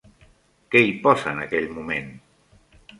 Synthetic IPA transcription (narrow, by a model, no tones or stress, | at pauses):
keipɔsanakɛʎmumẽn